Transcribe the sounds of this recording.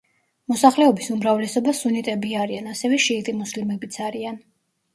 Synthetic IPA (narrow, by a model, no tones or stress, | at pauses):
mɔsaχlɛɔbisumɾavlɛsɔbasunit̪ʼɛbiaɾianasɛvɛʃiːt̪ʼimuslimɛbit̪sʰaɾian